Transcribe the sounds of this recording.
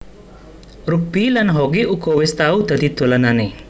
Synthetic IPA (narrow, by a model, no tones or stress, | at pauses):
ɾuk̚b̥ilanɦɔɡeʔukowɪst̪aud̪̥a̤d̪id̪̥o̤lanane